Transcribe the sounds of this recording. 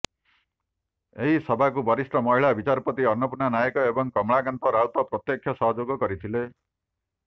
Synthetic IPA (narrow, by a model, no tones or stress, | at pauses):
eɦisɔbʱakubɔɾisʈɔmɔɦiɭabit͡ʃaɾɔpɔt̪iɔnːɔpunanajɔkɔebɔŋkɔmɭaɡant̪ɔɾawt̪ɔpɾɔt̪jɔkʰjɔsɔɦɔd͡ʒoɡɔkɔɾit̪ʰile